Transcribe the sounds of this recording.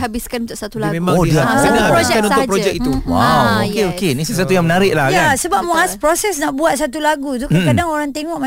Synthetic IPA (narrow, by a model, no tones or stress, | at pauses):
habɪskanunt̪ʊʔsat̪ulaɡmemaodiasapɾod͡ʒɛkanũnsʊpɾoad͡ʒɛkit̪uwawokeokenĩsəswat̪ujaŋmənaɾɪʔlahkjasəbap̚muaspɾosɛsnaʔbuat̪̚sat̪ulaɡut̪ukkadaŋoɾaŋt̪eŋɔʔma